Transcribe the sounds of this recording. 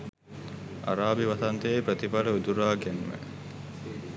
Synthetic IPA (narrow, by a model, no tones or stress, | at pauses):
a̰ɾaːbiʋat̪ɐnt̪əjejpɾət̪ipaləud̪uɾaːɡænmə̰